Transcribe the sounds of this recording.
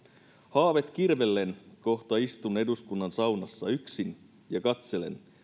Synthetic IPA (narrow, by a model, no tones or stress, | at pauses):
hɑːʋe̞t̪k̟irʋe̞lːe̞nko̞ht̪ɑist̪une̞duskunːɑnsɑwnɑsːɑyksin | jɑkɑt̪se̞le̞̰n